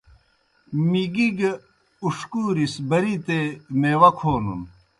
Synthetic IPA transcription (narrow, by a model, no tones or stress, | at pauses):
miɡiɡ | uʂkuːɾisbɐɾit̪emeːwɐkʰoːnṵn